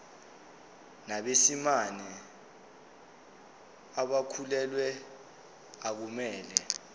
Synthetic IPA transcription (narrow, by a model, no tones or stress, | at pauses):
naɓesimanɛ | aɓakʰulɛlwɛ | ak̬umɛːlɛ